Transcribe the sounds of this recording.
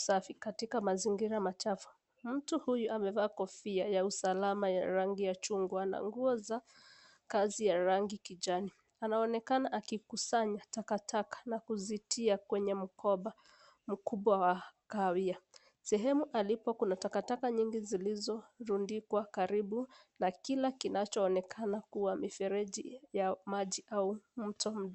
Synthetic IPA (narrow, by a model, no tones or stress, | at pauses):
safikatikamaziŋɡiɾamat͡ʃafu̥ | m̩tuhujuamɛvaːkɔfiajausalamaja̰ɾaŋɡijat͡ʃuŋɡuana̰ŋɡuɔza | kazijaɾaŋɡikiʄani | anaɔnɛkanaʔakikusaɲatakatʰakḁnakuzitʰiakwɛɲɛm̩kʰɔɓa | m̩kuɓwawakawia | sɛɦɛmuʔalipɔkunatakatakaɲiŋɡizilizɔɾundikwakaɾiɓunakilakinat͡ʃɔːnɛkʰanakuwamifɛɾɛʄijamaʄiʔaumm̩tʰɔm̩ɗ